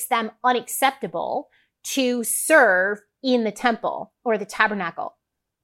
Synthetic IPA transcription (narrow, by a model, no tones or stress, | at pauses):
zðɨ̃mʌ̃ɾ̃ɨksɛp̚tɨb̰l̩ˠ | tʰɨsɜ˞v | ɪ̃nðɨtʰɛ̃mpl̩ˠ | ə˞ðɨtʰæbə˞nækl̩ˠ